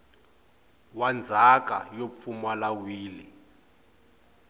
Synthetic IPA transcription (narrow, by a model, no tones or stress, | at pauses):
wand͡zʱaka̰jop̪fumalawiːli